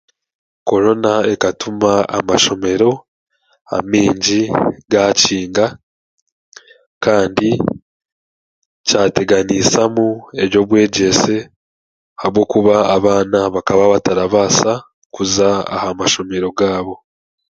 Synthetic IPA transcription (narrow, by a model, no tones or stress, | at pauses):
ko̞ɾo̞nae̞katumaa̰maʃo̞me̞ɾo̞ | a̰miːɲɟiɡaciːŋɡa | kaːndi | caːte̞ɡanisamue̞βjo̞βwe̞ːɟe̞se̞ | habɡo̞kuβaːβaːnaβakaβaβataɾaβaːsa | kuzaa̰hamaʃo̞me̞ɾo̞ɡaːβo̞